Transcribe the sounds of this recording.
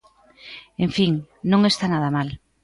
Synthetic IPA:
ẽɱfiŋnõŋest̪anað̞amal

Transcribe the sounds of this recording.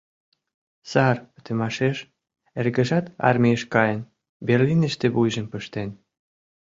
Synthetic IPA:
sɑrpə̥t̪ə̆mɑʃeʃ | erɣə̆ʒɑt̪ɑ̰rmʲejəʃkɑjən | berlinə̆ʃt̪eβujʒəmpəʃt̪en

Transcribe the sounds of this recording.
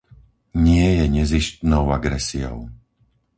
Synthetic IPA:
ɲɪɛjɛɲɛziʃcnɔʊaɡɾɛsiɔ̰ʊ

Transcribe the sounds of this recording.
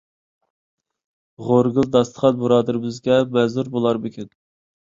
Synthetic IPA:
ʁoɾɡɨlˠd̪ɑst̪ə̥χʰɑt̪̚buɾɑːd̪ɨɾɪbɪzɡʲɛmɛzuɾbolˠɑɾmɪkʲʰɪn

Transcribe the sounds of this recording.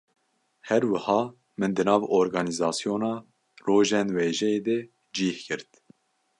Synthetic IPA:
hɛɾwɨhɑː | mɨnd̪ɨnɑːvoːɾɡɑːnizɑːsjoːnɑː | roːʒɛnweːʒɛeːd̪ɛ | d͡ʒiːhkʰɨɾt̪

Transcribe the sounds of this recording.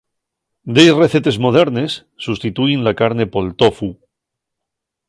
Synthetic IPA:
d̪ejreθet̪e̞zmo̞ð̞e̞ɾne̞sːust̪it̪uinlakaɾne̞po̞lt̪ofu

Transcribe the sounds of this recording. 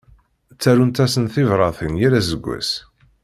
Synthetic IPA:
t͡sːæɾunt̪æsənθɪvɾˤɑθinjiɾæzəɡʷːæ̰s

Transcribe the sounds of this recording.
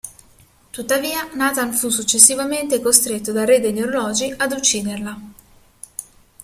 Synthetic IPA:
t̪ut̪ːaviːanaːt̪anfus̬ːut͡ʃːesːivament̪ekost̪ɾet̪ːod̪ared̪enːoɾolɔːd͡ʒiʔad̪ut͡ʃːiːd̪erla

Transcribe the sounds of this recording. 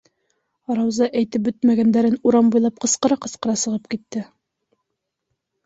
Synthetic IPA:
ɾɑwzɑʔæjt̪ɘp̚bɵt̪mæɡænd̪æɾɘnuɾɑmbujlˠɑp̚qɤ̆sqɤ̆ɾɑqɤ̆sqɤ̆ɾɑsɤ̆ʁɤp̚kit̪ːɘ

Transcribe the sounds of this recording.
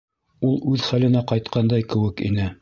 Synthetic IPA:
ulˠʉðχælɘ̆næqɑjt̪qʰɑnd̪ɑjkɘ̆wɘkḭnɘ

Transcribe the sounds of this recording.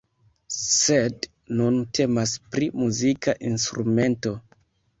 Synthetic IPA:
sed | nuntʰe̞maspɾimuzikaʔinstɾume̞nto

